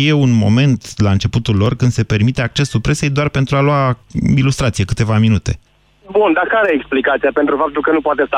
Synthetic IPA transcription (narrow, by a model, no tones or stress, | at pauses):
je̞unmo̞̰me̞nt̪laɨnt͡ʃe̞put̪ulːo̞rkɨnd̪se̞pe̞rmit̪e̞ak̚t͡ʃe̞sːupɾe̞se̞jd̪oarpe̞nt̪ɾualoailust̪ɾat̪sije̞kɨt̪e̞vaminut̪e̞̰ | bund̪akaɾeeksplikat̪sijapent̪ɾufap̚t̪ulkənupoat̪est̪a